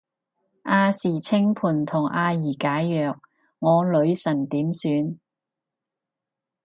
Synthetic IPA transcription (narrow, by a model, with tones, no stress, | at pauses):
ʔaː˧siː˨˩t͡sʰɪ˥ŋpʰuː˨˩nt̪ʰʊ˨˩ŋʔaː˧jiː˨˩kaː˨˥jːœː˨k̚ | ŋɔː˨˧lɵ˨˧ɥsɐ˨˩nt̪iː˨˥msyː˨˧n